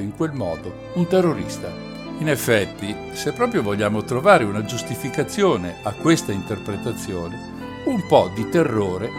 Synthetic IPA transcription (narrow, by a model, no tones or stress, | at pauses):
iŋkwelmɔːd̪o | unt̪erːoɾḭst̪a | inefːɛt̪ːi | sepːɾɔːpɾjovoʎːaːmot̪ɾovaːɾeunad͡ʒust̪ifikat̪sːjoːneakːwest̪aint̪erpɾet̪at̪sːjoːne | umpɔd̪it̪erːoːɾe